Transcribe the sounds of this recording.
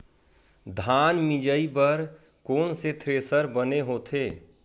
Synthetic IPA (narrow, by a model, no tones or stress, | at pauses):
d̪ʱaːnmɪd͡ʒəipəɾ | koːnset̪ʰɾeːsəɾbəneɦoːt̪ʰeː